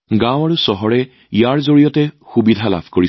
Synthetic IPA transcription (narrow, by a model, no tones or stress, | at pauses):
ɡãw̃aɹusɔɦɔɹɛ | ijaɹzoɹijɔtɛxubidʱala̰bʱkoɹi